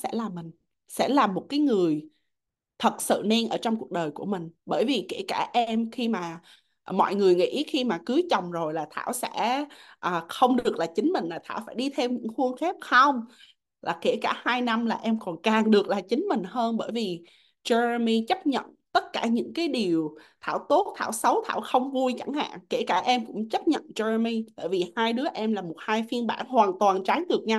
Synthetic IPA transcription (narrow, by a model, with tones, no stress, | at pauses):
sɛ̰˧˥laː˨˩mï˨˩ŋ̟ | sɛ̰˧˥laː˨˩mːo˨˩t̚kaː˨˦jŋɨ˨˩əj | t̪ʰə˨˩t̚sɨ̰˧˨nɛ˧nʔəː˧˩t͡ɕɔ˧wŋ͡mku˨˩ək̚ɗəː˨˩jku˧˩əmï˨˩ŋ̟ɓəː˧˩jvi˨˩ke˧˩kaː˧˩ʔɛ˧mxi˧maː˨˩ | mɔ̰˧˨jŋɨ˨˩əjŋḭ˧˥xi˧maː˨˩kɨ˨˦t͡ɕə˨˩wŋ͡mzo˨˩jlaː˨˩t̪ʰa̰ː˧˩wsɛ̰˧˥ʔəː˨˩xə˧wŋ͡mɗɨ˨˩ək̚laː˨˩t͡ɕï˨˦ŋ̟mï˨˩ŋ̟laː˨˩t̪ʰa̰ː˧˩wfaː˧˩jɗi˧t̪ʰe˧wɲɨ̰˧˥ŋxu˧nxɛ˦˥p̚xə˧wŋ͡m | laː˨˩kḛ˧˩kaː˧˩haː˧jna˧mlaː˨˩ʔɛ˧mkɔ˨˩nkaː˨˩ŋɗɨ˨˩ək̚laː˨˩t͡ɕï˨˦ŋ̟mï˨˩ŋ̟ɦəː˧nɓəː˧˩jvi˨˩ | t͡ɕɛ˧zmi˧t͡ɕə˦˥p̚ɲə̰˧˨nt̪ə˦˥t̚kaː˧˩ɲɨ̰˧˥ŋkaː˨˦jɗi˨˩əwt̪ʰa̰ː˧˩wt̪o˦˥t̚t̪ʰa̰ː˧˩wsə˨˦wt̪ʰa̰ː˧˩wxə˧wŋ͡mvu˧əjt͡ɕa˧˩ŋha̰ː˧˨ŋke˧˩kaː˧˩ʔɛ˧mkʊ̰˧˥ŋ͡mt͡ɕə˦˥p̚ɲə̰˧˨nt͡ɕɛ˧mi˧t̪a̰ː˧˩jvi˨˩haː˧jɗɨ˨˦əʔɛ˧mlaː˨˩mo˨˩t̚haː˧jfi˧ənɓaː˧˩nhwaː˨˩nt̪waː˨˩nt͡ɕa˨˦ŋɗɨ˨˩ək̚ɲa˧w